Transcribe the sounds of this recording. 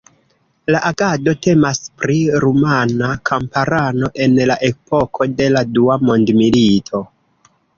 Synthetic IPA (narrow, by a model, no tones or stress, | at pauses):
laʔaɡado̞te̞maspɾiɾumanakʰampaɾano̞ʔe̞nlaʔe̞po̞kʰo̞de̞laduamo̞ndmilitʰo̞